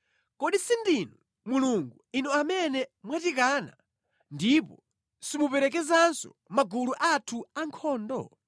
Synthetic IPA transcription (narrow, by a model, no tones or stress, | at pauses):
kɔɗisindinɔ | muluŋɡuinɔamɛnɛmwatik̬aːna̰ | ndipɔ | simupɛɾɛk̬ɛzansɔ̰ | maɡuluʔatʰuaŋkʰɔːndɔ̰